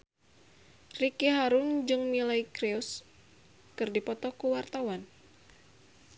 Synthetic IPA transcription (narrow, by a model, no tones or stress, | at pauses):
rikiɦaɾʊnd͡ʒɨŋnilaikɾeus | kɨrdipɔt̪ɔkuwart̪awan